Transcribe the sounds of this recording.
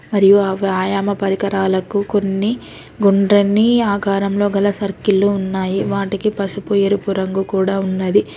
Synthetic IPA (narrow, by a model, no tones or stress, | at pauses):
mɐɾijuʋaːjaːmɐpɐɾikɐɾaːlɐkuko̞nːi | ɡuɳɖɾɐnːiaːkaːɾɐmlo̞ːɡɐlɐsɐɾkilːuːnːaːjiʋaːʈikipɐsupujeɾupuɾɐŋɡukuːɽaːunːɐd̪i